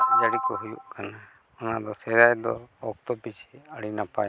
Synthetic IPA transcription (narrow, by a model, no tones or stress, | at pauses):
d͡ʒəɽikɔɦujṵʔkana | ɔnad̪ɔsɛɾajd̪ɔ̰ɔk̚t̪ɔpit͡ʃʰiəɽinapaj